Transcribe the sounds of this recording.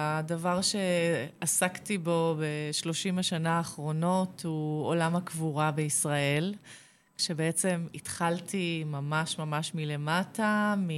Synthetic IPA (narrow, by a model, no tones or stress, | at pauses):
adavaʁʃe̞asaktibo̞be̞ʃlo̞ʃimaʃanaːχʁo̞no̞thuolamakvuʁabeisʁae̞l | ʃe̞beet͡se̞mit̪χaltʰimamaʃmamaʃmile̞matami